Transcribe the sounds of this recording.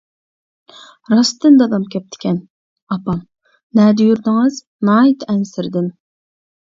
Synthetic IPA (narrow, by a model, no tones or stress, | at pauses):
ɾɑst̪ɨnd̪ɑd̪ɑmkʲʰɛp̚t̪ʰɪ̥kʲʰɛn | ɑpɑm | nɛːd̪ɪjyɾd̪ɪŋɨz | nɑːjit̪ɛnsɪɾd̪ɪn